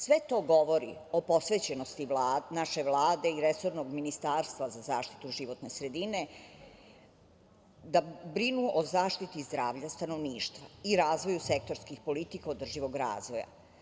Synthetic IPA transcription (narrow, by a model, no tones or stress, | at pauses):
sʋe̞t̪o̞ːɡo̞ʋo̞ɾḭopo̞sʋet͡ɕe̞nost̪iʋlaːnaʃe̞ʋlˠaːd̪e̞iɾeso̞ɾnoɡminist̪aːɾst̪ʋazazaːʃt̪i̥t̪uʒiʋo̞t̪ne̞sɾe̞d̪ine | d̪abɾinuʔozaːʃt̪it̪izd̪ɾaːʋʎast̪ano̞ʋniːʃt̪ʋaiɾaːzʋo̞jusek̚t̪o̞ɾskixpo̞lit̪ikaod̪r̩ʒiʋo̞ɡɾa̰ːzʋo̞ja̰